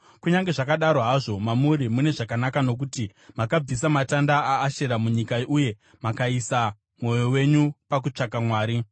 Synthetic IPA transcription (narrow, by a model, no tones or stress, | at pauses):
kuɲaŋɡe̞ʐakaɗaɾoɦaʐo̞mamuɾimune̞ʐakanakano̞k̬utimakab͡vis̬amatandaaːʃe̞ɾamuɲikauje̞ | makaisa | mo̞jo̞we̞ɲupakut͡ʂakamwaːɾi